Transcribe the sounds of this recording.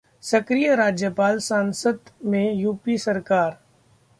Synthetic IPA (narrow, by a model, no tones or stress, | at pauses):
sɐkɾijəɾaːd͡ʒjəpaːlsaːnsəd̪mẽjuːpisɐɾkaːɾ